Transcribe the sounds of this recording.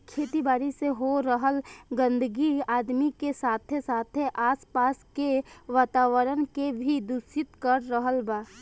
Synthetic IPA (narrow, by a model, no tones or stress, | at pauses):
kʰeːt̪ibaːɾiseɦoɾəɦəlɡə̃nd̪əɡiaːd̪mikesaːt̪ʰesaːt̪ʰeʔaːspaːskeʋaːt̪aːʋəɾənkebʱid̪ʊsɪt̪kəɾːəɦəlbaː